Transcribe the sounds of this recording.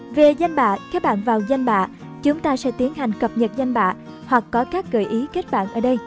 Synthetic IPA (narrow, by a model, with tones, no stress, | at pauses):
ve˨˩za˧jŋ̟ɓa̰ː˧˨kaː˦˥k̚ɓa̰ː˧˨nvaː˨˩wza˧jŋ̟ɓa̰ː˧˨ | t͡ɕʊ˨˦ŋ͡mt̪aː˧sɛ̰˧˥t̪i˨˦ənɦa˨˩jŋ̟kə˨˩p̚ɲə˨˩t̚za˧jŋ̟ɓa̰ː˧˨ | hwa˨˩kːɔ˨˦kaː˦˥k̚ɣəː˧˩jʔi˨˦ke˦˥t̚ɓa̰ː˧˨nʔəː˧˩ɗə˧j